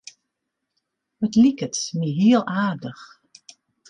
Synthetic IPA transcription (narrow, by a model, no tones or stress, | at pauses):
ətlikətmiɦiəlˠaːrdəx